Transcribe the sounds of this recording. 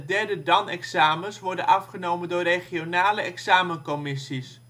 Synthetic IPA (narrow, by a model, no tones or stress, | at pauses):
dɛrdədɑnɛksaːmənsʋɔrdənʔɑfχənowməndʊːreχionaːləɛksaːmənkɔmɪsis